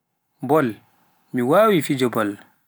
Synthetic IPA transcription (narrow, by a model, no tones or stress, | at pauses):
bɔl | miwaːwifid͡ʒɔbɔl